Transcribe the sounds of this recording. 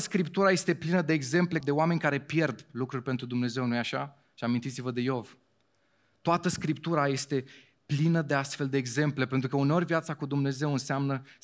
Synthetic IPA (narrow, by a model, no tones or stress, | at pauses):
skɾipt̪uɾaje̞st̪e̞plinəd̪e̞ːɡze̞mple̞d̪e̞oame̞nʲkaɾe̞pje̞rd̪lukɾurʲpet̪ɾud̪umne̞ze̞wnujaʃa̰ | ʃiamint̪it̪sivəd̪e̞jo̞v | t̪oat̪əskɾip̚t̪uɾaje̞st̪e̞ | plinəd̪e̞ast̪fe̞ld̪e̞ːɡze̞mple̞pent̪ɾukəuneo̞rʲvijat̪sakud̪umne̞ze̞wɨnseamnə